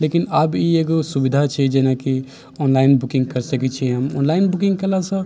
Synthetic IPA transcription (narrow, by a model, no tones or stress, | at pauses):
lekinabieɡosubid̪ʱat͡ʃʰɛd͡ʒenaki | ɔnlaɪnbukĩŋɡ̚kəɾsəkɛt͡ʃʰiɦəmɔ̰nlaɪnbukĩŋɡkəlasə̃